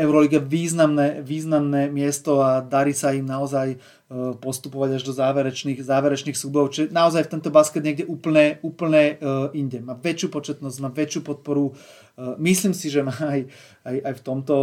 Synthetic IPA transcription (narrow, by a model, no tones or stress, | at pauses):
ɛʊɾɔliɡaʋiːznamnɛʋiːznamnɛmɪɛst̪ɔad̪aɾiːsaimnaɔzaj | pɔst̪upɔʋaɟaʒd̪ɔzaːʋɛɾɛt͡ʃniːxzaːʋɛɾɛt͡ʃniːxsubɔɔt͡ʃɛnaɔzajft̪ɛnt̪ɔbaskɛd̪ɲɛɡɟɛʔuːpl̩ɲɛuːpl̩ɲɛiɲɟɛmaːʋɛt͡ʃupɔt͡ʃɛt̪nɔzɟmaːʋɛt͡ʃjuːpɔt̪̚pɔɾu | misliːmsiʒɛmaːj | ajajft̪ɔmt̪ɔ